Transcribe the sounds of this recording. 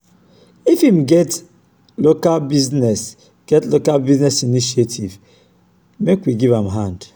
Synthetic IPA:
ifimɡɛt | lokalbiznɛs | ɡ̥ɛtlokalbiznɛsiniʃietʰiv | mekwiɡivãmɦãnd

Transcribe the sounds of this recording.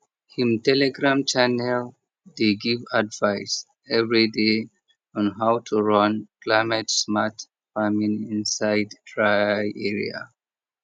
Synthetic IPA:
hĩmtɛlɛɡɹãmt͡ʃanɛl | deɡivadvaɪs | ɛvɹide | ɔ̃nɦawtʰuɹɔ̃nklamɛtsmat | famĩnĩnsaɪddɹajɛɹḭa̰

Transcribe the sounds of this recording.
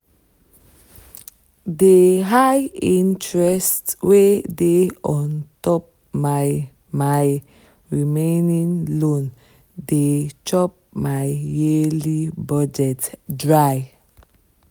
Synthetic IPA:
deɦajĩntɹɛstwedeɔ̃ntɔp̚ | ma | maj | ɹimẽnĩŋlõn | det͡ʃɔp̚majjelibɔd͡ʒɛtdɹaj

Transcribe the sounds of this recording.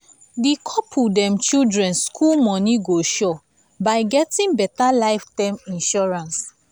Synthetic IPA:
dikʰɔpʰudɛ̃mt͡ʃildɹɛ̃nskʰulmɔ̃niɡoʃɔ | baɪɡɛtĩŋbɛtalaɪftãmĩnʃɔɹãns

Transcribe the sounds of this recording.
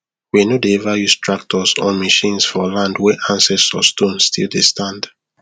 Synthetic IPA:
winodeɛvajustʰɹak̚tʰɔsɔ̃maʃĩnsfɔlãndwɛʔãnsɛsɔ̰stõnstʰḭldestʰãnd

